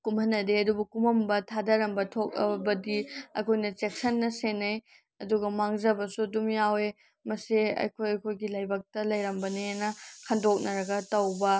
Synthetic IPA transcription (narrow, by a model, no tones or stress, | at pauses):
kumhɐnːɐdeɐdubɐkumɐmbɐtʰadɐɾɐmbɐtʰok̚ɐ̰bɐdiɐ̰kʰojnɐt͡ʃek̚sɐnːɐsenɐj | ɐduɡɐmaŋzɐbɐsudumjawe | mɐseɐ̰jkʰojɐkʰojɡilɐjbɐk̚tɐlɐjɾɐmbɐnenɐkʰɐndok̚nɐɾɐɡɐtɐwbɐ